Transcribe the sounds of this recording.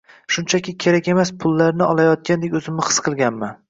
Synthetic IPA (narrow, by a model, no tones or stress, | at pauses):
ʃʊnt͡ʃʰakʲɪkʲʰe̞ɾakʲe̞maspʰʊlːaɾnɪʔɒlˠajɒt̪̚kʲand̪ekʲɵzɪmɪχɨ̥sqʰɨlˠɡʲanman